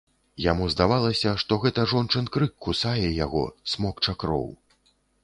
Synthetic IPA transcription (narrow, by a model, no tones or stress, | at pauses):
ja̰muzd̪avalˠɐsʲɐʂt̪ɔɣɛt̪ɐʐɔnt͡ʂɨnkɾɨkːusajɛjaɣɔ̰smɔkt͡ʂakɾɔ̰w